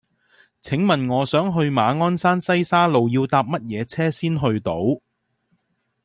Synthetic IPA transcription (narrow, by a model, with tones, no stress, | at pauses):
t͡sʰɪ˨˥ŋmɐ˨nŋɔː˨˧sœː˨˥ŋɦɵ˧ɥmaː˨˧ŋɔː˥nsaː˥nsɐ˥jsaː˥lo˨wjiː˧wt̪aː˧p̚mɐ˥t̚jɛː˨˧t͡sʰɛː˥siː˥nɦɵ˧ɥt̪o˨˥w